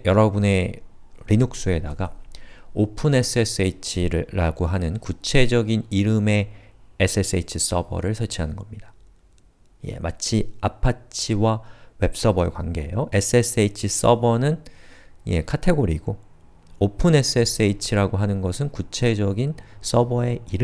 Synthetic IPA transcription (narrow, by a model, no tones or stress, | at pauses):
jʌɾʌbune̞ | ɾinok̚s͈ue̞daɡaopʰɯne̞s͈ʰɯes͈ɯit͡ɕʰiɾɾaɡoɦanɯnkut͡ɕʰe̞d͡ʑʌɡiniɾɯme̞ːs͈ʰɯe̞s͈ɯeit͡ɕʰis͈ʌbʌ̰ɾɯɭsʰʌt͡ɕʰiɦanɯnɡʌmɲidḁ | je̞̰mʔa̰t͡ɕʰiapʰat͡ɕʰiwawe̞p̚s͈ʌbʌekwanɡe̞ejoʔe̞s͈ʰɯe̞s͈ɯeit͡ɕʰis͈ʌbʌnɯn | je̞̰kʰatʰe̞ɡoɾiɡo | opʰɯne̞s͈ʰɯes͈ʰɯeit͡ɕʰiɾaɡoɦanɯnɡʌsʰɯnkut͡ɕʰe̞d͡ʑʌɡins͈ʌbʌe̞iɾɯ